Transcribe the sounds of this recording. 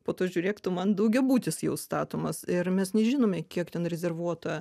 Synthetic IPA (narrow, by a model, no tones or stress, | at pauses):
poːt̪oːʒʲuːɾʲeːkt̪ʊmɐnd̪ɐʊɡʲɛbuːt̪ʲɪsjɛʊst̪ɑːt̪oːmɐsɪɾmʲɛsnʲɛʒʲiːnoːmʲɛːkʲiɛkt̪ʲɛnɾʲɛzʲɛrʋuɔt̪oːjɛ